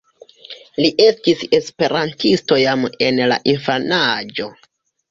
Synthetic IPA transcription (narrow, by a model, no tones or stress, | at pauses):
liʔe̞stise̞spe̞ɾantisto̞jame̞nla̰ʔinfanad͡ʒo̞